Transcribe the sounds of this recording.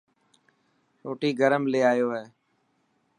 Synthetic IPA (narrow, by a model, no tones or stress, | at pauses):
ɾoːʈiːɡəɾəmleːaːjoːɦeː